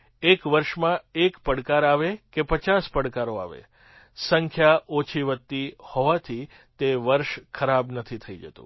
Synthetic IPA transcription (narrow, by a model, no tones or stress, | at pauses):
ekʋəɾʃmãekpəɽkaɾaʋekepət͡ʃaspəɽkaɾoa̰ʋḛ | səŋkʰjaʔot͡ʃʰiʋət̪ːihoʋat̪ʰi | t̪eʋəɾʃkʰəɾabnət̪ʰit̪ʰəid͡ʒə̰t̪ṵ̃